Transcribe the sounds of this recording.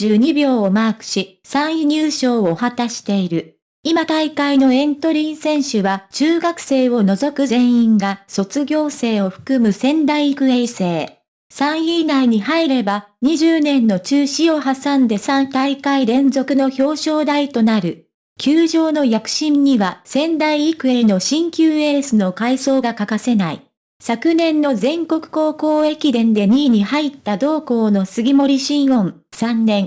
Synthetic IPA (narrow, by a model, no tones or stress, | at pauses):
ɨːɲ̟ibʲo̞ːomaːkɯ̟̥ɕi | sãɰ̃iɲ̟ɨːɕo̞ːohat̪aɕi̥t̪e̞iɾɯ̟ | imat̪aikaino̞ẽ̞nt̪o̞ɾʲĩɰ̃sẽ̞ɰ̃ɕɨβat͡ɕɨːɡakɯ̟̥se̞ːo̞no̞zo̞kɯ̟zẽ̞ɰ̃ĩŋɡaso̞t͡sɨɡʲo̞ːse̞ːo̞ɸɯ̟̥kɯ̟mɯ̟sẽ̞nd̪aiikɯ̟eise̞ː | sãɰ̃iːnaiɲ̟ihaiɾe̞ba | ɲ̟iʑɨːnẽ̞nːo̞t͡ɕɨːɕio̞ɦasãnd̪e̞sãnt̪aikaiɾẽ̞nzo̞kɯ̟no̞ço̞ːɕo̞ːd̪ait̪o̞naɾɯ̟ | kʲɨːʑo̞ːno̞jakɯ̟̥ɕĩɲɲiβasẽ̞nd̪aiːkɯ̟eeno̞ɕĩŋkʲɨːe̞ːsɨno̞kaiso̞ːɡakakase̞naḭ | sakɯ̟nẽ̞nːo̞zẽ̞ŋko̞kɯ̟̥ko̞ːko̞ːe̞kʲid̪ẽ̞nd̪e̞ɲ̟iːɲ̟ihait̪ːad̪o̞ːko̞ːno̞sɨɡʲimo̞ɾʲiɕĩɰ̃õ̞n | sãnːẽ̞ŋ